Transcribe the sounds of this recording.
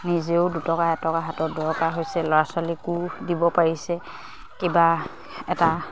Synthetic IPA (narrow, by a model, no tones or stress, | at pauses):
nizeʊdutɔkaɛtɔkaɦatɔdɔɹkaɦojsɛlɔɹasalikudibɔpaɹisɛ | kiba | ɛta